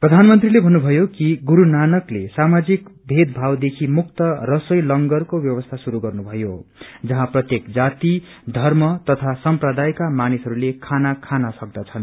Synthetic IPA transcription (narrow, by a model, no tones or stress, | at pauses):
prʌd̪ʱanmʌnt̪rilebʱʌnːubʱʌjokiɡuɾunanʌklesamad͡zikbʱed̪bʱawd̪ekʰimukt̪ʌrʌsʌjlʌŋɡʌrkobjʌwʌst̪ʰasuɾuɡʌrnubʱʌjod͡zʌɦãprʌt̪jekd͡zat̪i | d̪ʱʌrmʌt̪ʌt̪ʰasʌmprʌd̪ajkamanisɦʌɾulekʰanakʰanasʌk̚d̪at͡sʰʌn